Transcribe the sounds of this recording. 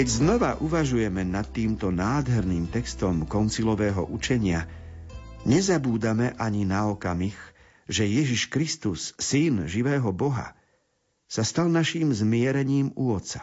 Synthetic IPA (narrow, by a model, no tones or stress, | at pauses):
kɛɟznɔʋaʔuʋaʒujɛmɛnat̪ːiːmt̪ɔnaːd̪ɦɛɾniːmt̪ɛkst̪ɔmkɔnt͡silɔʋɛːɦɔ̰ʔut͡ʃɛɲɪa | ɲɛzabuːd̪amɛʔaɲinaɔkamix | ʒɛjɛʒiʃkɾist̪usːinʒiʋɛːɦɔbɔɦa̰ | sast̪alnaʃiːmzmɪɛɾɛɲiːmuɔt̪t͡sḁ